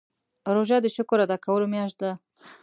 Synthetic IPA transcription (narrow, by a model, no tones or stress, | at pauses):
ɾoʒɑd̪əʃʊkoɾad̪ɑkʰawəlomjɑʃt̪̚d̪a